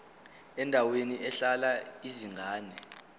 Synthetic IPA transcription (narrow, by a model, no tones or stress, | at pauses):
ɛndʱaweniʔɛɬalaiziŋʱaːnɛ